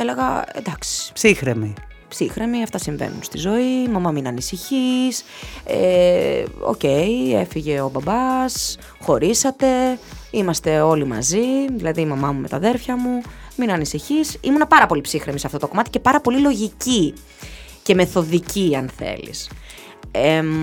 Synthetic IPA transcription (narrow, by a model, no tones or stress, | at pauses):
ele̞ɣɐ̰ḛnd̪ɐksi̥psixɾemi | psixɾemiɐft̪ɐsiɱvḛnṵnst̪izo̞imɐmɐminɐnisiçisḛ | o̞̰ce̞jefiʝe̞o̞bɐbɐs | xo̞ɾisɐt̪e̞imɐst̪e̞o̞limɐ̰ziðilɐðiːmɐmɐmume̞t̪ɐðe̞ɾfçɐmuminɐnisiçisḭmunɐpɐɾɐpo̞lipsixɾemisɐft̪o̞t̪o̞ko̞mɐt̪i̥ce̞pɐɾɐpo̞lilo̞ʝici | ce̞meθo̞ðiciɐnθe̞̰lḭs | e